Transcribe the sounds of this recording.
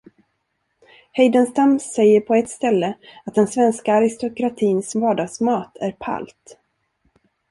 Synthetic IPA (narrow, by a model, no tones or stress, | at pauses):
hɛjd̪ənst̪amsɛjːəɾpʰɔɛt̪st̪ɛlːəat̪̚d̪ɛnsvɛnskaːɾɪst̪ʊkɾat̪ʰiːnsvɑːɖɑːɡsmɑːt̪ʰæɾpʰa̰lt̪